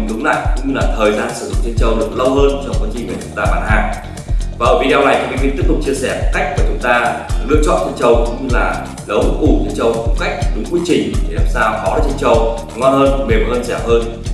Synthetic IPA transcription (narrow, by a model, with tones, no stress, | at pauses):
kɨ˨˦ŋla̰ː˧˨jkʊ̰˧˥ŋ͡mɲɨ˧laː˨˩t̪ʰəː˨˩jzaː˧nsɨ̰˧˩zʊ̰˧˨ŋ͡mt͡ɕe˧nt͡ɕə˧˩wlɨ˨˧˩ək̚lə˧wŋ͡mhəː˧nt͡ɕɔ˧wŋ͡mkwaː˧nt͡ɕi˧va˨˩t͡ɕʊ˨˦ŋ͡mt̪aː˧ɓaː˧˩nhaː˧ŋ | vaː˨˩ʔəː˧˩vḭ˧˥ɗaː˧wna˨˩jka̰˨˧˥t̪i˦˥əp̚t̪ʊ˨˩k͡p̚t͡ɕi˧əsɛ˧˩ka˦˥jk̟̚ku˧˨˩t͡ɕʊ˨˦ŋ͡mt̪aː˧˩lɨ̰˧ət͡ɕɔ̰˧˨nt͡ɕə˧nt͡ɕə˧wkʊ̰˧˥ŋ͡mɲɨ˧laː˨˩ | lə˨˦wŋ͡mʔu˧˩t͡ɕə˧nt͡ɕə˧wfʊ˧˦ŋ͡mka˦˥jk̟̚ɗʊ˨˦ŋ͡mkwi˨˦ət͡ɕï˨˩ŋ̟ɗe˧˩˨aː˨˩msaː˧wxɔ˨˦ɗaː˨˧˩t͡ɕe˧nt͡ɕə˧w | ŋwaː˧nhəː˧nme˨˩mː˨˩ʔəː˧nsɛ˧˩p̚həː˧n